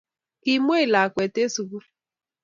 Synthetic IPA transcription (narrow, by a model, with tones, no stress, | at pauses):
ki˨mʷ˦e˦i˨la˨kʷe˨te˦su˨ku˦